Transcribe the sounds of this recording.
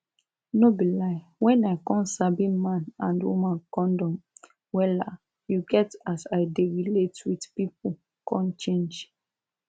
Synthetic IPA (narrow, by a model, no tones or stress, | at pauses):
nobilaɪ | wɛ̃naɪkɔ̃nsabĩmãnãndwṵmãnkɔ̃ndɔ̃m | wɛla | juɡɛtasaɪdeɹiletwidpip̚u | kʰɔ̃nt͡ʃẽnd͡ʒ